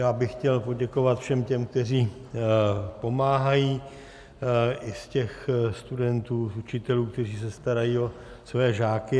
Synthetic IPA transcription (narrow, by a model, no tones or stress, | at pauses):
jaːbɪxcɛlpo̞ɟɛko̞vat̪fʃɛmcɛmk̚t̪ɛriː | po̞maːɦajiː | ʔɪscɛxst̪udɛnt̪uːsut͡ʃɪt̪ɛluːk̚t̪ɛriːsɛst̪aɾajiːo̞ | svɛːʒaːkɪ